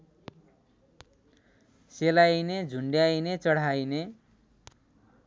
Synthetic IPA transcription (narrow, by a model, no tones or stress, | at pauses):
selajned͡zʱuɳɖjajnet͡sʌɽ̤ajne